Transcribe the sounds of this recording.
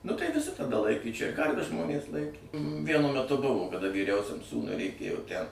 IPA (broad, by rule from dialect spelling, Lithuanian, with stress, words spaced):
nʊ tɐɪ ʋʲɪˈsʲɪ tɐˈdɐ ˈlˠɐɪkʲeː t͡ʃʲɛ ˈkɐrʲʋʲɛs ˈʒmoːnʲeːs ˈlˠɐɪkʲeː ˈʋʲiɛnʊ mʲɛˈtʊ ˈbʊʋoː kɐˈdɐ ʋʲiːˈrʲɛʊsʲɛm ˈsuːnʊɪ rʲɛɪˈkʲeːjoː tʲæn